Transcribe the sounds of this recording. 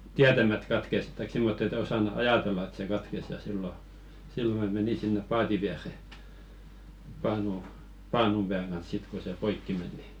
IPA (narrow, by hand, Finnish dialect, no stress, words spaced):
tiætæmæt kɑtkes tɑik simːot et osɑnu̥ ɑjɑˑtelːɑ et se kɑtkes jɑ silːo silːo mæ meni sinːep pɑːti ʋiære pɑːnu pɑːnum b̥æːŋ ɡ̊ɑns sit ko se poikːi men ni